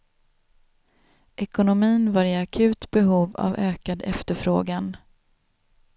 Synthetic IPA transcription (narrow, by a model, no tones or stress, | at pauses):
ʔɛkʊnʊmiːnvaɾɪakʰʉ̟ːt̪bɛɦuːva̰vøːkad̪ɛ̰ft̪əɾfɾoːɡan